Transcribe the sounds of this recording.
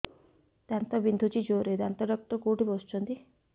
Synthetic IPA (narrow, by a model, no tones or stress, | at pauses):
t̪ant̪abind̪ʱut͡ʃid͡ʒoɾet̪ant̪aɖɔk̚t̪ɔkoʈipɔst͡ʃɔnt̪i